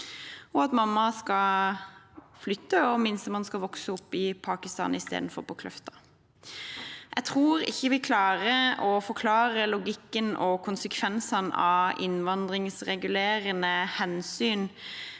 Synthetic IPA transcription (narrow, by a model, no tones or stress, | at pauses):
ɔɑt̪mɑmːɑskɑ | flʏt̪ːəɔmɪnsəmɑnskɑʋɔksəɔpːɪpʰɑːkɪst̪ɑ̰ːnɪst̪ḛːd̪n̩fɔ̰ʁpʰɔkʰlœft̪ɑ̥ | ʔæ̰t̪ʰʁuːɾɪ̰çːəʋɪkʰlɑːɾəɔfɔkʰlɑːɾəlʊɡɪkːənɔkʰʊnsəkʰʋɛnsɑnɑ̰ɪ̰nʋɑnd̪ʁɪŋsʁɛɡʉleːɾənəhɛnsyːn